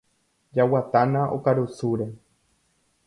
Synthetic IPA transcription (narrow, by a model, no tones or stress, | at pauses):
d͡ʒawat̪anãʔo̰kaɾusuɾe